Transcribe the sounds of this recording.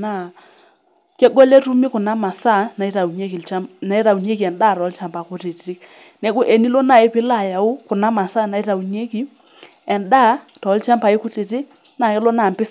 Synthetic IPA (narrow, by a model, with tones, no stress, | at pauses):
na˨ | kɛ˦ɡɔ˦lɛ˦tu˦mi˦kʊ˨na˦ma˨sa˦˨na˨i˦ta˨u˨ɲe˦ki˨lt͡ʃa˦na˨˦i˦ta˨u˨ɲe˦ki˨ɛ˨nda˦˨tɔ˨˦lt͡ʃa˨mpa˨kʊ˦ti˨tɾɪ˦k̚ | nɛ˦ku˦ʔe˨ni˦lɔ˦na˨ɪ˦pɪ˦la˨ja˨ʊ˦kʊ˨na˦ma˨sa˦na˨i˦ta˨u˨ɲe˦ki˦ | ɛ˨nda˦tɔ˨˦lt͡ʃa˦mpa˨˦ɪ˦kʊ˦ti˨tɪ˦k | na˨ɪ˦lɔ˦na˨mpɪ˦s